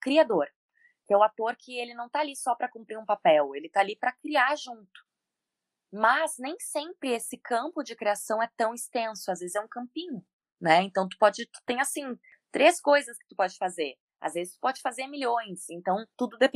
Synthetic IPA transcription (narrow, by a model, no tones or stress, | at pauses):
kɾiad̪oɾ | kɛʊat̪oɾkʰɪelɪnɐ̃w̃t̪aːlisɔpɾɐkũpɾiɾũpapɛwelɪt̪aalipɾɐkɾiaɾʒũnt̪ʊ̥ | mɐznẽj̃sẽpɾɪesɪkɐ̃mpʊd͡ʒɪkɾiasɐ̃w̃ɛt̪ɐ̃w̃ɪst̪ẽsʊazvezɪzɛũkɐ̃mpĩɲʊ | nɛẽnt̪ɐ̃w̃t̪̬u̥pɔd͡ʒɪt̪u̥t̪ẽj̃asĩ | t̪ɾʔeskojzɐskɪ̥t̪upɔd͡ʒɪfazeɾ | a̰zvezɪst̪u̥pɔd͡ʒɪfazeɾmiʎõj̃sẽnt̪ɐ̃w̃t̪ud̪ʊd̪epẽ